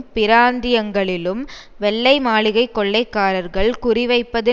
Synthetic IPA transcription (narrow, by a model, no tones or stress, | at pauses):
pɪɾaːnd̪ɪjɐŋɡɐɭɪlɯm | ʋɛɭːɐɪmaːɭɪɣɐɪkːɔɭːɐɪkːaːɾɐɾɣɐɭkʊrɪʋɐɪpːɐðɯ